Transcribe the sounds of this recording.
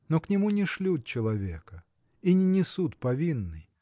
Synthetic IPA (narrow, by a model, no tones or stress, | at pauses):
noknʲɪmunʲɪʂlʲut̪̚t͡ɕɪlˠɐvʲḛkə | inʲɪnʲɪsut̪pɐvʲinːɨj